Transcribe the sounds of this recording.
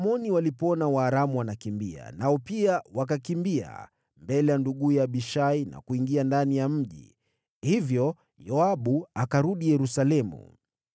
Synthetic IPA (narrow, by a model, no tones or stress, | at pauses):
mɔniwalipɔnawaːɾamuwanakimbia̰naɔpiawak̬akimbia̰ | mbɛlɛjanduɠujaɓiʃaina̰kuiŋɡiandanijam̩ʄḭ | hivjɔ | jɔaɓuakaɾuɗijɛɾusalɛmṵ